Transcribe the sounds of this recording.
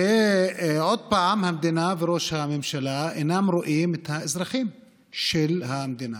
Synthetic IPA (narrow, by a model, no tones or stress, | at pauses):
e | ʕod̪̚paʕamhamd̪inaveɾo̞ʃhamemʃalaenamɾoʔimet̪haezɾɐχim | ʃelhamed̪ina